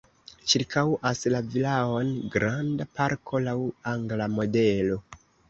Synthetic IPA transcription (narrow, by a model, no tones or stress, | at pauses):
t͡ʃiɾkʰawʔaslavilaonɡɾandapaɾkʰo̞lawaŋɡlamo̞de̞lo̞